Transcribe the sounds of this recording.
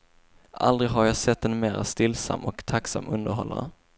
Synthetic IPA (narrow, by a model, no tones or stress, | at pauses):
ʔa̰ld̪ɾɪɡɦaɾjɑːsɛt̪ːɛnmeːɾast̪ɪlːsa̰mːɔkt̪ʰaksa̰mːʔɵnd̪əɾɦɔlːa̰ɾə